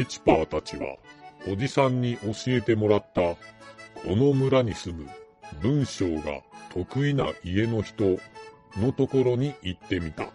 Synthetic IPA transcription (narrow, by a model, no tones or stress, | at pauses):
it͡ɕi̥paːt̪at͡ɕiβa̰o̞d͡ʑisãɲ̟ːiʔo̞ɕie̞t̪e̞mo̞ɾat̪ːakʰo̞no̞mɯ̟ɾaɲ̟isɨmɯ̟̰ | bɯ̟̃ɰ̃ɕo̞ːɡa̰t̪ʰo̞kɯ̟ina̰ʔie̞no̞çi̥t̪o̞ | no̞t̪o̞ko̞ɾo̞ɲ̟iʔit̪ːe̞mʲit̪a̰